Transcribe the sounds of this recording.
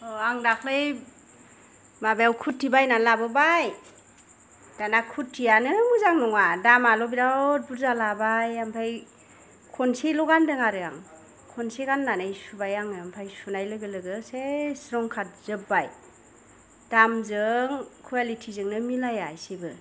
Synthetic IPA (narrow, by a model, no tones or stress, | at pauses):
ɔaŋdakʰlɯj | mabejawkʰutʰːibajnalabɯbaj | d̥anakʰutʰːianɯmuzaŋnɔŋadamalɔbiɾat̚buɾzalabajampʰaj | kʰɔnsilɔɡandɯŋaɾɯa̰ŋ | kʰɔnsiɡanːanajsubajaŋɯampʰajsunajlɯɡɯlɯɡɯsesɾɔŋkʰat̚z̥ɯbaj | d̥amzɯŋkʰualitʰizɯŋnɯmilajajsibɯ